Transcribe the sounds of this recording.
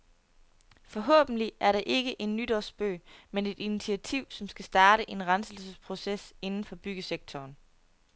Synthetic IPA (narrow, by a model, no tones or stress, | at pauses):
fɒ̽ɦɔ̰ːb̥n̩liæɐɾɑ̈ʔe̝ɡ̥əʔe̝nːyd̥ɒsb̥ø̰ːmene̝d̥init͡sʰiæt͡sʰiʊ̰sɒ̽msɡ̥æsd̥ɑ̈ːɾəʔe̝nʁɑnsl̩səspʰʁo̝sese̝nn̩fɒ̽b̥yɡ̥əseɡ̥̚t͡sʰɒːn